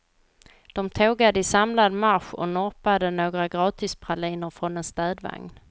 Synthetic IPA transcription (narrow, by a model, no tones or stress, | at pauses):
d̪̥ɔmt̪ʰoːɡad̪əɪsamlad̪maɾɧɔ̰nɔɾpad̪ənoːɡɾaɡɾɑːt̪ʰɪspʰɾaliːnəɾfɾɔnɛnst̪ɛːd̪va̰ŋn